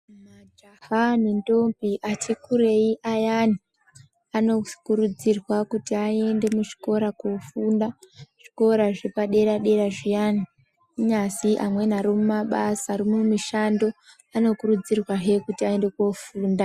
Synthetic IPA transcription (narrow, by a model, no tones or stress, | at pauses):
mad͡ʒahanindo̞mpiʔatikuɾe̞iʔajani | ano̞kurud͡zirwakutiae̞nde̞muʐi̥ko̞ɾakofuːndaʐ̥iko̞ɾaʐepaɗe̞ɾaɗe̞ɾaʐijani | ɲasiʔamwe̞naɾomumaɓasarimumiʃando̞ | ano̞kurud͡zirwaɦe̞kutiae̞nde̞kofuːnda